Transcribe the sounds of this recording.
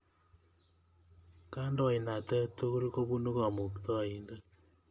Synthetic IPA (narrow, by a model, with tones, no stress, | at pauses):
ka˦ndɔ˨i˨na˨tɛ˦to˦ku˦ɾko˦bu˦no˦kɔ˨mo˨ktɔ˦a˨i˦ndə˦